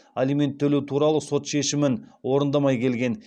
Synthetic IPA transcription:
alijme̞nt̪ʰːɵlewt̪ʰuɾɑlˠəso̞t̪ʃe̞ʃɪmɪnwo̞ɾənd̪ɑmɑjkʲʰe̞lɡʲe̞n

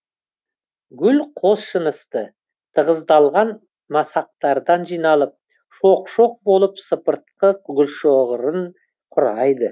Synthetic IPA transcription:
ɡʲʏlqʰo̞sʃənəst̪ə | t̪ʰəʁəzd̪ɑlˠʁɑn | mɑsɑq̚t̪ɑɾd̪ɑnʒijnɑlˠəp̚ | ʃoqʃo̞q̚bo̞lˠəpsəpəɾt̪̚qəq̚ɡʲʏlʃoʁəɾən | qʰʊɾɑjd̪ə

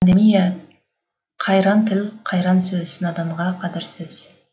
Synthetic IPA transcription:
nd̪emija | qʰɑjɾɑnt̪ʰɪlqʰɑjɾɑnsɵzɪsɪnɑd̪ɑɴʁɑqʰɑd̪ɪɾsɪz̥

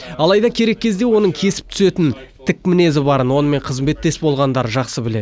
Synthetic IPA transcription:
ɑlˠɑjd̪ɑkʲʰe̞ɾe̞k̚ʲʰːe̞zd̪e̞wo̞nəɴkʲʰe̞sɪ̥p̚t̪ʰʏ̥se̞t̪ɪn | t̪ʰɪk̚mɪne̞zɪbɑɾənwo̞nəme̞ɴqʰəzmbe̞t̪ːe̞sbo̞lˠʁɑnd̪ɑɾəʒɑqsəbɪle̞d̪

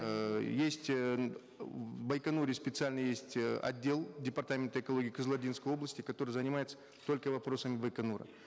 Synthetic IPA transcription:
jesʲtʲ | vbɐjkɐnuɾʲɪspʲɪt̪sɨalʲnɨjjesʲtʲɐ̰dʲːe̞lˠdʲɪpɐrt̪amʲɪnt̪əɪkɐlˠo̞ɡʲiːkəzlˠɐdʲinskəjo̞blˠəsʲtʲɪkɐt̪o̞ɾɨjzənʲɪmajɪt̪sə̥ | t̪o̞lʲkəvɐpɾo̞səmʲɪbəjkɐnuɾə̰

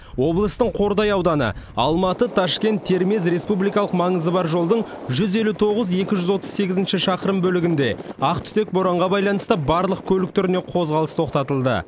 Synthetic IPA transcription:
wo̞blˠəst̪əɴqʰo̞ɾd̪ɑjɑwd̪ɑnə̰ɑ̰lˠmɑt̪ət̪ʰɑʃkʲe̞nt̪ʰːe̞ɾme̞s̬ɾe̞spublˠijkɑlˠəqmɑɴəzəbɑɾʒo̞lˠd̪əɴʒʏze̞lut̪ʰo̞ʁəze̞kʲɪʒʏzwo̞t̪əzse̞ɡʲɪzɪnʃɪʃɑqəɾəmbɵlɪɡʲɪnd̪e̞ɑqt̪ʰʏ̥t̪e̞k̚boɾɑɴʁɑbɑjlˠɑnəst̪əbɑɾlˠəq̚kʲʰɵlɪk̚t̪ʰʏɾɪne̞qʰo̞zʁɑlˠəst̪ʰo̞qt̪ɑt̪əlˠd̪ə̰

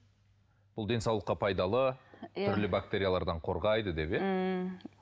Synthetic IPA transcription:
b̥ʊlˠd̪e̞nsɑwlˠəqːɑpʰɑjd̪ɑlˠəʏɾlɪbakt̪e̞ɾʲijalˠɑɾd̪ɑɴqʰo̞ɾʁɑjd̪əd̪e̞pe

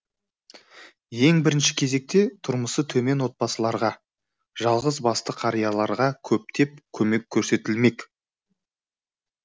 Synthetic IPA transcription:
je̞ŋbɪɾɪnʃɪ̥kʲʰe̞ze̞k̚t̪e̞t̪ʰʊɾməsət̪ʰɵme̞nwo̞t̪̚pɑsəlˠɑɾʁɑ | ʒɑlˠʁəzbɑst̪əqʰɑɾijɑlˠɑɾʁɑkʲʰɵp̚t̪ʰe̞p̚kʲʰɵme̞kʲʰːɵɾse̞t̪ɪlme̞k

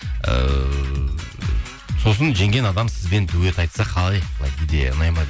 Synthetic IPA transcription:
ə̰ | so̞s̬ənʒe̞ŋɡʲe̞nɑd̪ɑmsɪzbe̞nd̪uwe̞t̪ɑjt̪sɑqʰɑlˠɑjnɑjt̪ijd̪ḛə̰nɑjmɑd̪

